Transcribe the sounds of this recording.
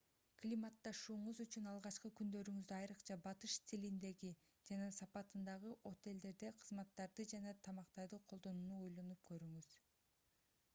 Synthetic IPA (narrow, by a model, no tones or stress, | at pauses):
klʲimɑt̪ːɑʃuːɴuzyt͡ʃynɑlˠʁɑt͡ʃqɯkynd̪ø̞ɾyŋyzd̪eɑjɾɯqt͡ʃʰɑbɑt̪ɯʃt̪ʰilind̪e̞ɡi | d͡ʒɑnɑsɑpɑt̪ɯnd̪ɑʁɯʔo̞t̪e̞ld̪e̞ɾd̪e̞qʰɯzmɑt̪ːɑɾd̪ɯd͡ʒɑnɑt̪ʰɑmɑqt̪ɑɾd̪ɯqʰo̞lˠd̪o̞nuːnuojlˠonup̚kø̞ɾyŋyz̥